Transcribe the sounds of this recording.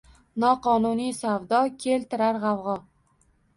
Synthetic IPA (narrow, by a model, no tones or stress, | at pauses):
nɒqɒnʊnijsavd̪ɒkʲʰe̞lt̪ɪɾaɾʁɑvʁɒ